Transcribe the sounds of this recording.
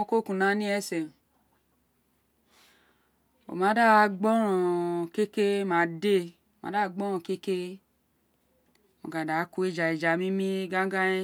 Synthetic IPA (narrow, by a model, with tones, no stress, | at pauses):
ko˦ku˨na˨˦nĩ˦ɛ˦se˨ | o̰˨mã˨˦da˦˨˦ɡ͡bɔ˦ɾɔ̃˨ke˦ke˦mã˨˦de˦ | o˨ma̰˨˦a˦˨ɡ͡bɔ˦ɾ̃ɔ̃˨ke˦ke˦ | o̰˨ɡa˨da˨˦ku˦e˦d͡ʒa˨e˨d͡ʒa˨mĩ˦mĩ˦ɡa˦ɡa˦e˦